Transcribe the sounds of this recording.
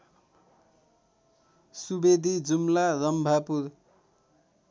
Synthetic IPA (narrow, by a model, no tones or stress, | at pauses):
subed̪ʱid͡zumlaɾʌmbʱapuɾ